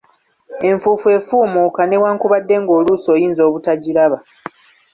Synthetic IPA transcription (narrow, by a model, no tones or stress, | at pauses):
e̞ɱfuːfue̞ːfuːmukane̞waːŋkuβadːe̞ŋɡo̞ːluso̞ːjiːnzo̞ːβutaɟiɾaβa